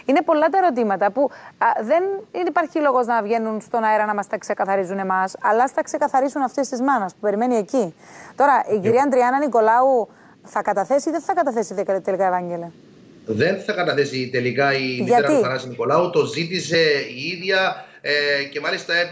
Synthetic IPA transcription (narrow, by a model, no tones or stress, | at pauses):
ine̞po̞lːɐt̪̬ɐe̞ɾo̞t̪̬imɐt̪ɐpuðe̞ninipɐɾçilo̞ɣo̞znɐvʝe̞nːunst̪o̞nɐeɾɐnɐmɐst̪ɐkse̞kɐθɐɾizune̞mɐsɐlɐst̪ɐkse̞kɐθɐɾisunɐft̪est̪izmɐnɐspupe̞ɾime̞nie̞ci | t̪o̞ɾɐʔiciɾiɐɐnd̪ɾiɐnɐniko̞lɐu | θɐkɐt̪ɐθe̞siðeθɐkɐt̪ɐθe̞sitet̪elikɐevɐɲɟelɐ | ðe̞nθɐkɐt̪ɐθesit̪e̞likɐiʝiɐeɾɐiɐnɐsiniko̞lɐut̪o̞zit̪ise̞iiðʝɐ | ece̞mɐlist̪ɐe